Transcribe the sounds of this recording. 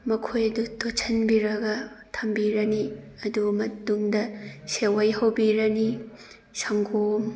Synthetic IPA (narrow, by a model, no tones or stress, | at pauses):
mɐkʰojɐdutot͡ʃʰɐnbiɾɐɡɐ | tʰɐmbiɾɐni | ɐdumɐtuŋdɐsewɐjɦɐwbiɾɐni | sɐŋɡom